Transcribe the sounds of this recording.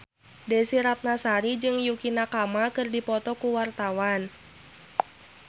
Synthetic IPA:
desiɾat̪̚nasaɾid͡ʒɨŋjukinakamakɨrdipɔt̪ɔkuwart̪awan

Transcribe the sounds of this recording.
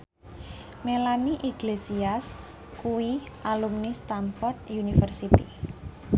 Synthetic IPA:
melaniʔiɡ̥lesias | kuwiʔalumnist̪anfɔrd̪̚junifərsit̪ḭ

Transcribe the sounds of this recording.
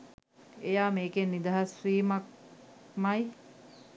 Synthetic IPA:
ejaːmeːkenːid̪aɦɐsʋiːmɐk̚mɐj

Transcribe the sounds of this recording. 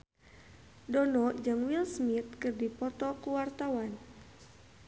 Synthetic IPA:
dɔnɔd͡ʒɨŋwilsmit̪̚kɨrdipɔt̪ɔkuwart̪awan

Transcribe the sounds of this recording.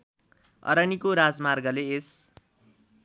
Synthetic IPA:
ʌ̰ɾʌnikoɾad͡zmarɡʌlees

